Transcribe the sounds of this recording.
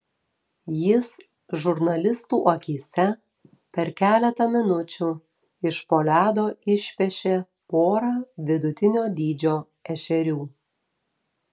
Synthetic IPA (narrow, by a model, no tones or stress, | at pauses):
jɪs | ʒʊɾnɐlʲɪst̪uːʔokʲiːsʲɛ | pʲɛɾkʲæːlʲɛt̪ɐmʲɪnʊt͡ʃʲuː | ɪʃpoːlʲæːd̪oːɪʃʲpʲɛʃʲeː | poːɾɑːʋʲɪd̪ʊt̪ʲɪnʲoːd̪ʲiːd͡ʒʲoː | ɛʃʲɛɾʲuː